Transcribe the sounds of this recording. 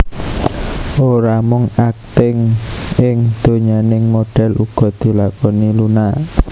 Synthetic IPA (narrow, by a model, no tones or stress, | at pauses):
ʔoɾamʊŋak̚t̪ɪŋɪŋd̪̥o̤ɲanɪŋmoɖ̥ɛ̤lʔuɡ̥ɔ̤d̪̥i̤lakɔnilunaʔ